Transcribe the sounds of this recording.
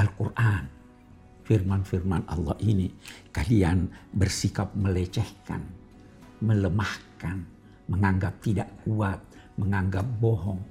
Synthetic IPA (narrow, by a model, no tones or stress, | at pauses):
ʔalkurʔan | firmanfirmanʔɑ̰lːɑhinikalianbərsikap̚məlɛt͡ʃɛhka̰n | mələmahkan | məŋaŋɡap̚t̪idaʔkuat̪̚ | məŋaŋɡap̚bɔɦɔŋ